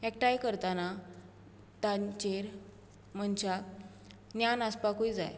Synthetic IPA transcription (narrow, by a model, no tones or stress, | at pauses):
ɛkʈajkəɾt̪ana | t̪ãt͡ɕeɾ | m̤ənt͡ɕak | njanaspakuid͡za̰j